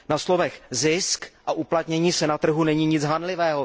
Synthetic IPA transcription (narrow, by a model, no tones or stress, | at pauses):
naslo̞vɛxzɪskʔaʔuplat̪ɲɛɲiːsɛnat̪r̩ɦunɛɲiːɲɪd͡zɦanlɪvɛːɦo